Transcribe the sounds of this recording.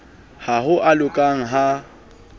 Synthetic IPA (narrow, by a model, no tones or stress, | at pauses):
haɦʊʔalʊkʼaŋ̩ɦa